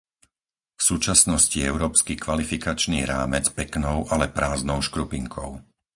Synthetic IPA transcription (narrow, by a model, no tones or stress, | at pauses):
fsuːt͡ʃasnɔsciɛʊɾɔːpskikʋalifikat͡ʃnḭːɾaːmɛt͡spɛknɔʊʔalɛpɾaːznɔʊʃkɾupiŋkʰɔ̰ʊ